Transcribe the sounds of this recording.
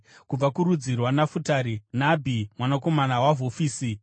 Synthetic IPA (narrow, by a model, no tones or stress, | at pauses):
kub͡vakuɾud͡zirwanafutaɾinabʱimwanako̞manawaɦofiːsi